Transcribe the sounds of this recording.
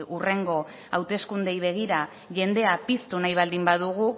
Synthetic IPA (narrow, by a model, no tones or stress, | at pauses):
ure̞ŋɡo̞ | awt̪e̞skund̪e̞jβ̞e̞ɣ̞iɾa | ʝe̞nd̪e̞apist̪unajβ̞ald̪imbaðuɣ̞u